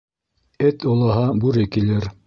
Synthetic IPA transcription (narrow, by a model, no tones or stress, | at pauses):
ɘt̪olˠɑɦɑbʉɾɘkilɘɾ